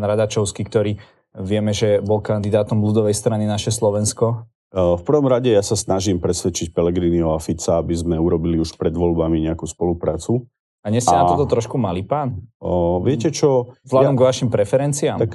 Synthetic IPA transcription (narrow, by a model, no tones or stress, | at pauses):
nɾad̪at͡ʃɔʊskikt̪ɔɾiː | ʋɪɛmɛʒɛbɔlkand̪id̪aːt̪ɔmlud̪ɔʋɛjst̪ɾaninaʃɛslɔʋɛnskɔ | fpr̩ʋɔmɾaɟɛjasasnaʒimpɾɛsʋɛt͡ʃic̚pɛlɛɡɾiːniɔafit͡saabizmɛuɾɔbiliuʃpɾɛd̪ʋɔlbamiɲɛakuspɔlupɾaːt͡su | aɲɛsanaɔt̪ɔt̪ɾɔʃkumalipaːnʋɪɛcɛt͡ʃɔvlaɔmɡɔʋaʃimpɾɛfɛɾɛnt͡siaːmak